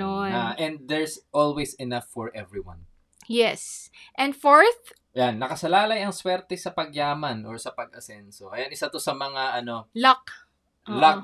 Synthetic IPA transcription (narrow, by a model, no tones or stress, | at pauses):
oaʔɛnd̪̚d̪ɛɹsʔolwesɛnafːɔɹʔɛvɹiwɐ̰̃n | jɛsʔɛ̃nd̪foɹθ | janːɐkɐsɐlaːlɐjɐŋswɛɾt̪ɛsɐpɐɡjaːmɐnʔoɹsɐpɐɡɐsɛnsokɐjanɪsɐt̪o̞sɐmɐŋaʔɐno̞lɐk | lɐk